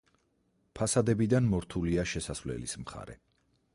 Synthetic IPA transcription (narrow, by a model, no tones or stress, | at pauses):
pʰasad̪ɛbid̪anmɔɾt̪ʰuliaʃɛsasvlɛ̰lḭsmχa̰ɾɛ̰